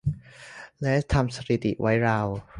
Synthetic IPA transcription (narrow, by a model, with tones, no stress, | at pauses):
lɛ˦˥t̪ʰa˧msa˧ɾi˨˩t̪ḭ˨˩wa˦˥jɾa˧w